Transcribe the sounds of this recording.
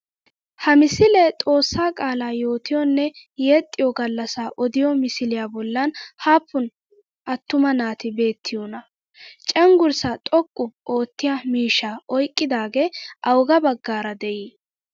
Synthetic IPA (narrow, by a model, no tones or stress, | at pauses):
hɐmɪsɪlɛt̪ʼo̞ːsːaːkʼaːlaːjo̞ːt̪ɪjɔnːɛjeːt̪ʼːɪjɔɡɐlːɐsaːʔɔd̪ɪjɔmɪsɪlɪjaːbɔlːɐnhaːpʰːʊn | ʔɐt̪ːʊmɐnaːt̪ɪbe̞ːt̪ʰːɪjɔnɐ | t͡ʃʼɛŋɡʊɾsat̪ʼɔkʼːʊʔo̞ːt̪ːɪjamiːʃːaːʔɔjkʼːɪd̪aːɡeʔɐwɡɐbɐɡːaːɾɐd̪ɛʔiː